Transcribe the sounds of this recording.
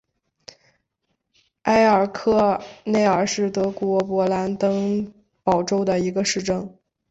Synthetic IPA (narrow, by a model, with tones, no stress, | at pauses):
a˥ɪə˞˨˩kʰɤ˥˧ne˥˩ɪə˞˨˩ʂɻ̩˥˩t̪ɤ˧˥kwɔ˧˥pwɔ˧˥la˧˥nt̪ɤ˥ŋ | pɑ˨˩ʊʈ͡ʂo˥ʊd̪ə˨i˧˥ɡə˧ʂɻ̩˥˧ʈ͡ʂɤ˥˩ŋ